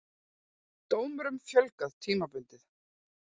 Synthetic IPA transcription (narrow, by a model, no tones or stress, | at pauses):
t̪oːwmɾʏmfjœlkaðt̪ʰiːmapʏnt̪ɪθ